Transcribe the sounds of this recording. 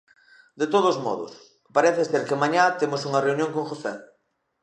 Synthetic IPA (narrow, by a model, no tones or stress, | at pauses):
d̪et̪oðozmɔ̰ðo̰s | paɾeθeseɾkemaɲat̪emosuŋɐreunjõŋkoŋxosɛ